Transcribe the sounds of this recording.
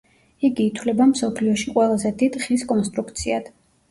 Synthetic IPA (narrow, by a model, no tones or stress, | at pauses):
iɡiːt̪ʰwlɛbamsɔpʰliɔʃiqʼwɛlˠazɛd̪id̪χiskʼɔnst̪ʼɾukt̪sʰiad̪̥